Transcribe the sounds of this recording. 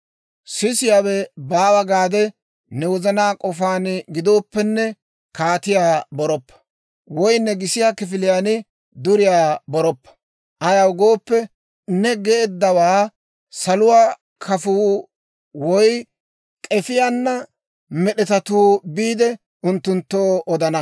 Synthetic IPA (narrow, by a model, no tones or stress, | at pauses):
sɪsɪjaːwɛbaːwɐɡaːd̪ɛ | nɛwɔzɐnaːkʼɔfaːnɡɪd̪o̞ːpːɛnːɛ | kaːt̪ɪjaːbɔɾɔpːɐ̥ | wɔjnːɛɡɪsɪjaːkɪfɪlɪjaːnɪ | d̪ʊɾɪjaːbɔɾɔpːɐ̥ | ʔɐjɐwɡo̞ːpːɛ | nɛɡɛːd̪ːɐwaː | sɐlʊwaː | kʰɐfuː | wɔj | kʼɛfɪjanːɐ | mɛɗɛt̪ɐt̪uːbiːd̪ɛ | ʊnt̪ːʊnt̪ːoːɔd̪ɐnɐ